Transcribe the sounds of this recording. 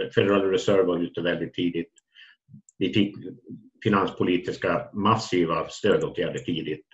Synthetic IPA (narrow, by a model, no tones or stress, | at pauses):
fɛd̪ɛɾɑːlɾɛsœɾvɑɾʉːt̪əvɛld̪ɪt̪ʰːiːd̪ɪt̪ | vɪfɪk | fɪnanspʰʊliːt̪ɪskamasiːvast̪øːd̪oːt̪ʰjæːɖəʈʰiːd̪ɪt̪